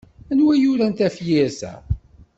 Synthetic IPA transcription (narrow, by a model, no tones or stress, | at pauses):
ænwæjʊɾænt̪æfjɪɾsæ̰